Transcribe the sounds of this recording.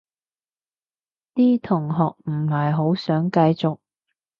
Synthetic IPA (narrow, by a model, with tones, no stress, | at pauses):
t̪iː˥t̪ʰʊ˨˩ŋɦɔː˨k̚m̩˨˩hɐ˨jɦo˨˥wsœː˨˥ŋkɐ˧jt͡sʊ˨k̚